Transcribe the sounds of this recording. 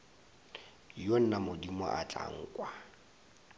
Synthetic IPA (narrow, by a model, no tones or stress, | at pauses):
jon̩namʊdimɔ̰ʔat͡ɬʼa̰ŋ̩ːkʼwa